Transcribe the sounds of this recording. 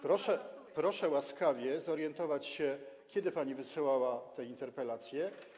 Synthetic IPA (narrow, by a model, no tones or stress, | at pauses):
pɾɔʂɛpɾɔʂɛwaskavʲjɛzɔɾjɛnt̪ɔvat͡ɕɕɛkʲjɛd̪ɘpaɲivɘsɨwawat̪ɛint̪ɛɾpɛlat̪sʲjɛ